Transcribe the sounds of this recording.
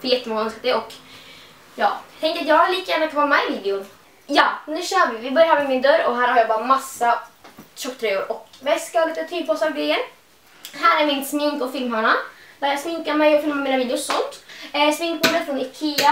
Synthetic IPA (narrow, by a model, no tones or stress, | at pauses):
fjɛt̪ːəmɔŋəœnskat̪ɛɔk | jɑ̰ːt̪ʰɛŋkəɾat̪jɑːɡliːkajæːnakʰvɑːmaviːd̪ɪʊn | jɑːnd̪ʉːɕœːɾəvɪvɪbœɾjahaːmɛmɪnd̪œɾɔɦæːɾhaɾjaːbɑːɾamasːaɕɔkːt̪ʰɾɛːʊɾʔɔkvɛskalit̪ət̪ʰyːpʰɔsaɾɡɾɛjən | ɦæːɾæɾmɪnsmɪŋkɔfɪlmhaɳad̪æːɾjɑsmɪŋkamɛjɔfɪlmammiːnaviːd̪ɪʊsɔnt̪smɪŋk̚bod̪ət̪fɾɔnɪkʰia